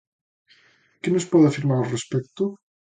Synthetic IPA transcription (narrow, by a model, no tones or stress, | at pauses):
kenospɔðeafiɾmaɾorespɛk̚t̪o